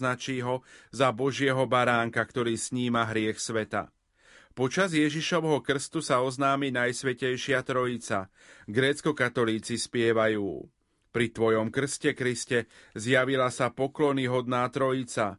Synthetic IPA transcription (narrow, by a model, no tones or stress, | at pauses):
nat͡ʃiːɦɔzabɔʒɪɛɦɔbaɾaːŋkakt̪ɔɾiːsɲiːmaɦɾɪɛxsʋɛt̪a̰ | pɔt͡ʃazjɛʒiʃɔʋɦɔkr̩st̪usaɔznaːminajsʋɛcɛjʃɪat̪ɾɔit͡sa | ɡɾɛːt͡skɔkat̪ɔliːt͡sispɪɛʋajuː | pɾit̪ʋɔjɔmkr̩scɛkɾiscɛzjaʋilasapɔklɔniɦɔd̪naːt̪ɾɔit͡sa